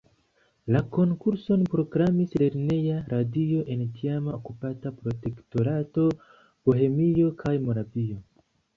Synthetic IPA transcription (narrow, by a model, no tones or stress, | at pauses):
lako̞ŋkuɾso̞npɾo̞ɡɾamisle̞ɾne̞jaɾadio̞ʔe̞ntiamaokupatapɾo̞te̞kto̞ɾato̞ | b̥o̞ɦe̞mio̞kʰajmo̞ɾavio̞